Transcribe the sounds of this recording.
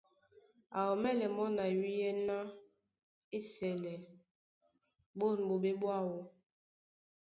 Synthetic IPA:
a˨ɔ˨mɛ˦lɛ˨mɔ˦na˨wi˦je˦na˦ | e˦sɛ˨lɛ˨ | bo˦˨n˨bo˨be˦bwa˦˨wɔ˦

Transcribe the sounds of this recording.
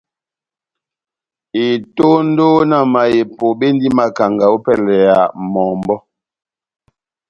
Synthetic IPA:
i˨to˦n̩˦do˦na˦˨ma˨je˨po˨be˦n˦di˦ma˨ka˨ŋɡa˨o˦pɛ˦˨lɛ˨a˨mɔ˨mbɔ˦

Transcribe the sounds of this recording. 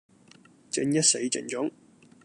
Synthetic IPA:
t͡sɪ˧ŋjɐ˥t̚se˨˥jt͡sɪ̰˨˩ŋt͡sʊ˨˥ŋ

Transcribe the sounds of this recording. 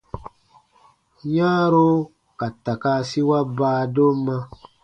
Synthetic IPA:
ɲãː˦ɾo˦ | ka˨ta˨ka˧˦si˦wa˦baː˦do˦mːã˦

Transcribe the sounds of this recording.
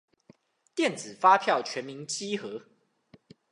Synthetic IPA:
t̪jɛ˥˨nt͡sɹ̩˨˩fa˦pʰjɑ˥˨ʊt͡ɕʰɥɛ˨˦nmi˨˦nt͡ɕi˦xɤ˨˦

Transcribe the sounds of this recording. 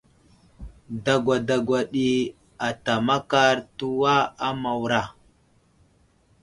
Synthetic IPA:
da˨ɡʷa˨da˨ɡʷa˨ɗi˦ | a˨ta˨ma˦ka˦ɾtu˦wa˦a˦ma˨wɾa˨

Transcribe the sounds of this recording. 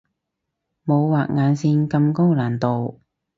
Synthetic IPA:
mo˨˧wwaː˨˩k̚ŋaː˨˧nsiː˧nkɐ˧mko˥ŋlaː˨˩nt̪o˨w

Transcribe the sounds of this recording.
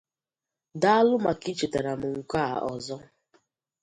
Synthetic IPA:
da˦lʊ˦ma˨ki˦t͡ʃe˨ta˨ɾa˨m̩˨ŋ̩˨kʷa˦˨ʔɔ˨zɔ˦

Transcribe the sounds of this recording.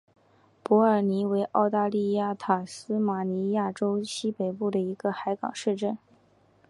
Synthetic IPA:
pɔ˧˥ə˞˨˩ni˧˥we˧˥ɪʔɑ˥˧ʊt̪a˥˧li˥˧ja˥˩t̪ʰa˨˩sɹ̩˥ma˨˩ni˧˥ja˥˩ʈ͡ʂo˥ʊɕi˥pe˨˩ɪpu˥˩d̪ə˩i˧˥ɡ̥ə˧xa˧˥ɪkɑ̰˨˩ŋʂɻ̩˥˧ʈ͡ʂə˥˩n

